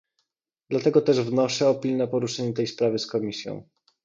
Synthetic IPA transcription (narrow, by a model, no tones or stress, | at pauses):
d̪lat̪ɛɡɔt̪ɛʐvnɔʂɛɔpʲilnɛpɔɾuʂɛɲɛt̪ɛjspɾavɘskɔmʲisʲjɔ̰̃w̃